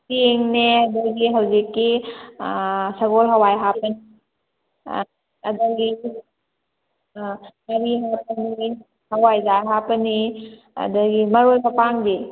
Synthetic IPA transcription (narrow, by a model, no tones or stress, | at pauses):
tieŋneɐdɐɡiɦawzikːi | sɐɡolɦɐwajɦapənḭ | ɐ̰dɐɡi | mɐɾiɦap̚əni | hɐwajzaɦapəni | ɐ̰dɐɡimɐɾojpapaŋdi